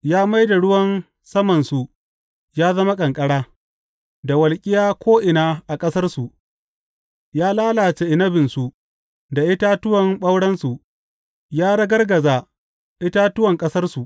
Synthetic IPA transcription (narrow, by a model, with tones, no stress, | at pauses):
jaː˦ma˦jda˨ɽʊ˦wɐ˦n | sɐ˦mɐ˨nsu˨ | jaː˦zɐ˦ma˦kʼɐ˨ŋkʼɐ˦ɽaː˦ | da˨wɐ˨lkʲʼɪ˦jaː˦kʷoː˦ʔɪ˨naː˦ʔa˨kʼɐ˦sɐ˦rsu˨ʔ | jaː˦laː˦laː˨t͡ʃe˦ʔɪ˨nɐ˦bɪ˨nsu˨ | da˨ʔɪ˦taː˦tʊ˦wɐ˨mɓɐ˦wɽɐ˦nsu˨ | jaː˦ɽɐ˦ɡɐ˦rɡɐ˨za˨ | ʔɪ˦ta˦tʊ˦wɐ˨ŋkʼɐ˦sɐ˦rsu˨ʔ